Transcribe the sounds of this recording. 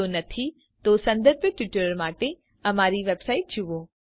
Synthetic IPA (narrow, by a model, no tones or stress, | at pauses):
onɐt̪ʰi | t̪osɐ̃nd̪əɾbʈʋɪʈɾəɾmaːʈe | ɐmaːɾiʋeːbsaːɪʈ̚d͡ʑʰʱiʋoː